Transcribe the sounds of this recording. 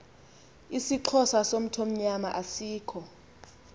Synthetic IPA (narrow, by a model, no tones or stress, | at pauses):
isiǃʰɔsasom̩tʰom̩ɲamaʔasiːkʰɔ